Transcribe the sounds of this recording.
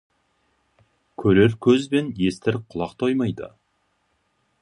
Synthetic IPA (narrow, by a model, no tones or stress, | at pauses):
kʲʰɵɾe̞ɾkʲʰɵzbe̞nje̞st̪ɪɾqʰʊlˠɑqt̪ʰo̞jmɑjd̪ə̰